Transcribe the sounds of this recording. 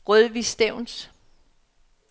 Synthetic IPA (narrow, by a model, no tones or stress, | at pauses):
ʁœðˠʋisd̥eʊ̰ns